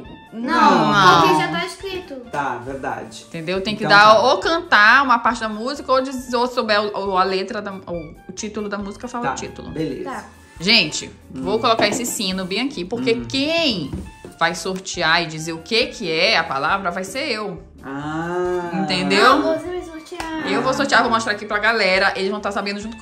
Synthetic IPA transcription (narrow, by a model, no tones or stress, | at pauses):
nɐ̃nɐ̃ẽʒat̪aiʃkɾit̪ʊt̪aveɾd̪a̰d͡ʒɪ̃t̪ẽnd̪ewt̪ẽj̃kɪd̪aokɐ̃nt̪aũmɐpaɾt͡ʃɪd̪ɐmuzikɐod͡ʒizosobɛɾʊɐlet̪ɾɐd̪ɐoːt͡ʃit̪ʊlʊd̪ɐmuzikɐfalt͡ʃit̪ʊlʊ̰belḛzɐ | ʒẽt͡ʃɪ̰ | vowkolokaɾesɪsĩnʊbẽɐkipoɾkekẽj̃vajsoɾt͡ʃiaɪd͡ʒizeɾʊkekʰɪɛɐpalavɾɐvajseɾew | a | ĩt̪ẽnd̪ewosoɾt͡ʃiaɪewvowsoht͡ʃiaɾvowmɔʃt̪ɾaɾakipɾɐɡalɛɾɐʔelɪzvɐ̃w̃t̪aɾsabẽd̪ʊʒũt̪ʊk